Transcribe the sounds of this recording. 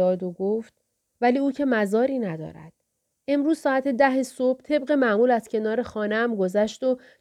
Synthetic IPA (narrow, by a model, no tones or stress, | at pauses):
ɒːd̪oɡoft̪̚ | væliːuːcʰe̞mæzɒːɾiːnæd̪ɒ̰ːɾæ̰d̪̥ | e̞mɾuːz̥sɒːæt̪ʰe̞d̪æɦesob̥̚t̪ʰe̞bɢe̞mæmuːlæz̥cʰe̞nɒːɾe̞xɒːneæmɡo̞zæʃt̪o